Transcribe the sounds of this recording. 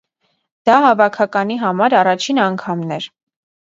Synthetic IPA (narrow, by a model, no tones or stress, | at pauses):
d̪̥ɑɦɑvɑkʰɑkɑniɦɑmɑɾɑrɑt͡ʃʰinɑŋkʰɑmnɛɾ